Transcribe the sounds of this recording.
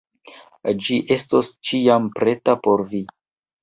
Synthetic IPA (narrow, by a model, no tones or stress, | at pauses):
d͡ʒiʔe̞stost͡ʃiampɾe̞tapo̞ɾvi